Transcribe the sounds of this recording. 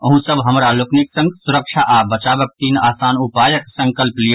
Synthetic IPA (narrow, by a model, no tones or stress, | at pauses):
ɐɦũsɐbɦɐmɾalʊknɪksɐ̃ŋɡsʊɾəkʃaʔaːbɐt͡ʃaːbək̚t̪iːnaːsaːnupaːjəksɐ̃ŋkəlplij